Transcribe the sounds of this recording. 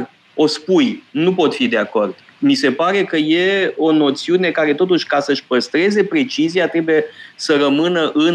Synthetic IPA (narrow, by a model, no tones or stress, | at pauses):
o̞spujnupo̞t̪fid̪e̞ako̞rd̪̥ | mise̞paɾe̞kəje̞o̞no̞t̪siune̞kaɾe̞t̪o̞t̪uʃʲkasəɨʃʲpəst̪ɾe̞ze̞pɾe̞t͡ʃiziat̪ɾe̞buje̞səɾəmɨnəʔɨn